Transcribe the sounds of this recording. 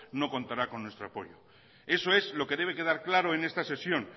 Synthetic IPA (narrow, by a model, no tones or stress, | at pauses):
no̞ko̞nt̪aɾako̞nːwest̪ɾoapo̞ʝo | e̞so̞e̞zlo̞ke̞ðe̞β̞e̞ke̞ð̞aɾklaɾo̞ene̞st̪ase̞sjo̞n